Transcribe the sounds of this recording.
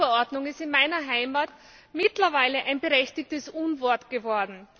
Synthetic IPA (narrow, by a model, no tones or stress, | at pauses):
əɐɔɐdnʊŋɪstɪnmaɪnɐɦaɪmaːt | mɪtlɐvaɪləʔaɪnbəʁɛçtɪk̚təsʔunvɔɐtɡ̥əvɔɐdn̩